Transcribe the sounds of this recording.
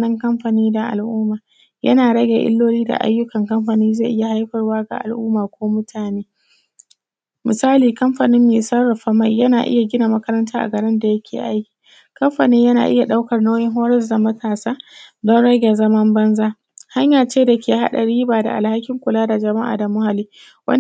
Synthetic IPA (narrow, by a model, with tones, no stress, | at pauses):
nɐ˦ŋkɐ˦mɸa˨niː˦da˨ʔa̰˨lʔuː˦maː˨ | jɐ̰˦naː˨ɽɐ˦ɡʲḛ˨ʔɪ̰˦lːoː˦liː˦da̰˨ʔa̰˦jːʊ˦kɐ˨ŋkɐ˦mɸa˨niː˦ze˦˨ʔɪ˦ja˨ha˦jɸɐ˨rwaː˦ɡa̰˨ʔa̰˨lʔʊː˦maː˨kʷʰoː˦mʊ˦tʰaː˨neː˦ | mɪ˨saː˦liː˨kɐ˦mɸa˨nɪ˦mːeː˨sɐ˦rɐ˨ɸa˦ma˦˨jjɐ˦naː˨ʔɪ̰˦ja˨ɡʲɪ˦na˨mɐ˦kɐ˦ɾɐ˦ntaː˦ʔa̰˨ɡɐ˨ɽɪ˦nda˨jɐ˦kʲʰḛː˨ʔa˦jkʲi̥ː˨ | kɐ˦mɸa̰˨neː˦jɐ˦na̰ː˨ʔɪ˦ja˨ɗa˦wkɐ˨rnoː˦jɪ˦ŋɦoː˦ɾɛ˦zda˨mɐ˦tʰaː˨saː˦dɔ˦nɽɐ˦ɡʲe˨zɐ˦mɐ˦mbɐ˦nzaː˦ | ha˦ɲjaː˨t͡ʃeː˦da˨kʲeː˨ha̰˦ɗa̰˨ɽiː˦baː˨da̰˨ʔa̰˨lha˦kʲɪ˦ŋkʷʊ˨laː˦da˨d͡ʒɐ˨ma˦ʔa̰ː˨da˨mʊ˦ha˨liː˦ | wɐ̰˦